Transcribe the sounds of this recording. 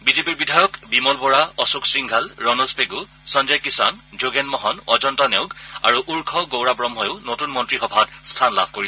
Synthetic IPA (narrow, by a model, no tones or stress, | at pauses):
bizepiɹbidʱajɔkbimɔlbɔɹaɔsuksiŋɡʱalɹɔnospeɡu | sɔnd͡ʒɔjkisa̰nd͡ʒoɡenmɔɦɔnɔd͡ʒɔntaneʊɡa̰ɹuʔuɹkʰɔɡowɹabɹɔmɦɔjʊnotunmɔntɹixɔbʱatstʰanla̰bʱkoɹi